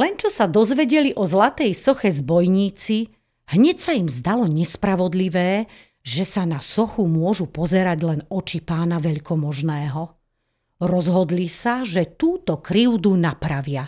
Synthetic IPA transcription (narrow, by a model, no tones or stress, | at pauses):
lɛnt͡ʃɔsad̪ɔzʋɛɟɛliʔɔzlat̪ɛjsɔxɛzbɔjɲiːt͡si | hɲɛcsaimzd̪alɔɲɛspɾaʋɔd̪liʋɛː | ʒɛsanasɔxumʊɔʒupɔzɛɾaɟlɛnɔt͡ʃipaːnaʋɛʎkɔmɔʒnɛːɦɔ | ɾɔzɦɔd̪lisaʒɛt̪uːt̪ɔkɾiʊd̪unapɾaʋɪa